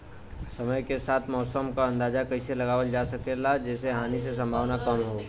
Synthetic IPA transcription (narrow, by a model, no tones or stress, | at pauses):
sɐməjkesaːt̪ʰmɔːsəmkaɐ̃nd̪aːd͡ʒakɐiselɐɡaːʋəld͡ʒaːsɐkelad͡ʒɛːseɦaːnis̬es̬ɐ̃mbʱaːʋnakɐmɦo